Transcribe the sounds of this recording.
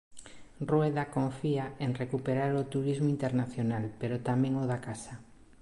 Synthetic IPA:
rweðakõɱfiaeŋrekupeɾaɾot̪uɾizmoint̪eɾnaθjonalpeɾot̪amẽŋoðakasa

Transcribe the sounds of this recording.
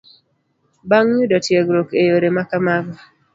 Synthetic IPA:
baŋɲudɔtjeɡɾokejoɾemakamaɡɔ

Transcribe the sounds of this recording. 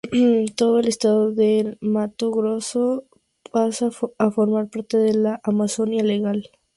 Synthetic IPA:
t̪o̞ðoe̞le̞st̪aðoðemat̪oɣɾoso | pasaafo̞ɾmaɾpaɾt̪eðelaʔamaso̞njale̞ɣal

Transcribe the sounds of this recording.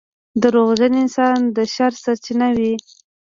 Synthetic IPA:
d̪əɾoɣzəneɪnsɑnd̪əʃaɾsaɾt͡ʃinawi

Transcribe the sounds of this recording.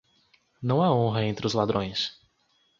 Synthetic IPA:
nɐ̃w̃aõɦɐẽnt̪ɾɪʊzlad̪ɾõj̃s

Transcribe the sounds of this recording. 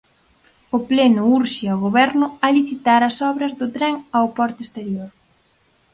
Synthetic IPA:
ʊplɛnʊuɾʃiaoɣoβɛɾnʊaliθit̪aɾɐsɔβɾɐzðʊt̪ɾɛŋaopɔɾt̪est̪eɾjoɾ

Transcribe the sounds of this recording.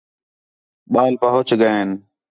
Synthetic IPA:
ɓaːlpəɦʊt͡ʃɡəen

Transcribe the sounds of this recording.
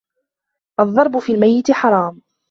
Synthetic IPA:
ʔɑðˤːɑɾˤbʊfiːlmajːɪt̪ɪħɑɾˤɑːm

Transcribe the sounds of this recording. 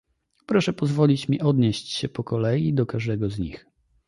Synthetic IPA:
pɾɔʂɛpɔzvɔlʲit͡ɕmʲiʔɔd̪ɲeɕt͡ɕɕɛpɔkɔlɛjid̪ɔkaʐd̪ɛɡɔzɲḭx

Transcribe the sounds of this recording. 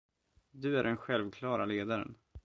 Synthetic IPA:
d̪ɵæɖɛnɧɛlvkʰlɑːɾaleːd̪aɾə̰n

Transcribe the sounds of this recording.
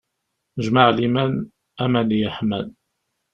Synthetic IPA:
əʒmaʕlimæn | æmænijəħmæ̰l

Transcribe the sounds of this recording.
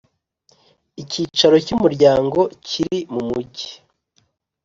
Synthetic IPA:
iciːt͡ʃaɾo̞cumuɾɟaːŋɡo̞ciɾimumuɟi̥

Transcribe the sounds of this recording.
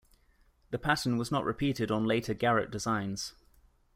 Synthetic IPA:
ðəpʰatə̃nwɒznəʔɹʔɪpʰiˑtɪdn̩leɪtʰəɡaɹə̰ʔ̚d̥ɪzãɪ̃nz̥

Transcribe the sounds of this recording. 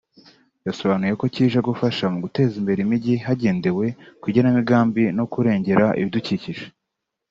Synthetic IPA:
ɟasoβaːnuje̞ko̞ciːʒaɡufaʃamuɡute̞ːzimbe̞ɾimiɟiɦaɟe̞ːnde̞we̞kwuɟanamiɡaːmbino̞kuɾe̞ːɲɟe̞ɾaʔḭβiduciːciʒe

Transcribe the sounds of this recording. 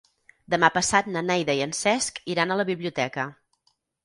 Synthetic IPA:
d̪əmapəsat̪nənɛjðəiənsɛskiɾanələβiβliut̪ɛkə

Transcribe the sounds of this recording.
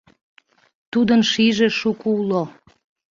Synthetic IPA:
t̪ud̪ənʃiʒeʃukuulo

